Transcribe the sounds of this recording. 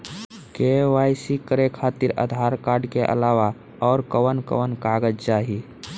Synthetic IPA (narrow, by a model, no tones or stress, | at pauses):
keʋajsikəɾekʰaːt̪iɾə̰d̪ʱaːɾkaːɾɖkeʔə̰laːʋa | ɔːɾkəwənkə̰ʋənkaɡəd͡ʒd͡ʒaːɦi